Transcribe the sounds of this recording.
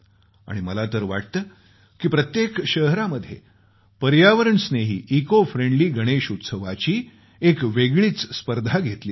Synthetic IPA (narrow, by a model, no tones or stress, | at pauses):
a̰ɽ̃iməlat̪əɾʋa̰ʈ̚t̪əː | kiːpɾət̪jekɕəɦɾaməd̪ʱːjḛ | pəɾjaʋəɾəɳsneɦḭːʔikofɾeɳɖliːɡʱəɽ̃eɕut̪səʋat͡ɕiː | ekʋeɡɭiːt͡sspəɾd̪ʱaɡʱet̪liː